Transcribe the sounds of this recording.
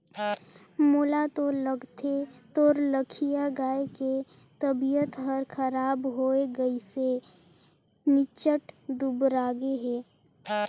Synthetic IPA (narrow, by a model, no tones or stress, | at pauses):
moːlat̪oləɡt̪ʰet̪oːɾləkʰijaɡaːeke | t̪əbijət̪ɦəɾkʰəɾaːbɦoeɡəise | nɪt͡ʃəʈd̪ubɾaːɡeɦɛː